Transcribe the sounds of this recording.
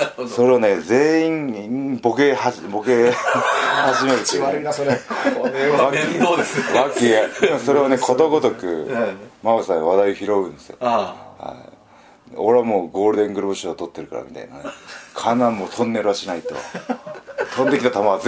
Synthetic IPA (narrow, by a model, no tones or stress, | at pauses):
so̞ɾe̞ane̞ze̞ːĩŋboɡehabo̞ke | haʑimeɾɯ̟t̪ːe | βakiβakʲːieso̞ɾeβanekʰo̞t̪oɡot̪okɯ̟maɯsãβad̪aioçiɾo̞ɡɯ̟̃nd̪esɨjo̰ha̰i | oɾe̞amoːɡo̞ːɾɯ̟d̪ẽ̞ŋɡɯ̟ɾɯbɯ̟ɕɨot̪o̞t̪ːe̞ɾɯ̟ka̰ɾa̰mʲit̪a̰ina̰nekʰanːãmːot̪ʰõ̞nːe̞ɾɯaɕinait̪o̞̰ | t̪ʰõ̞nd̪e̞kʲit̪at̪amaβz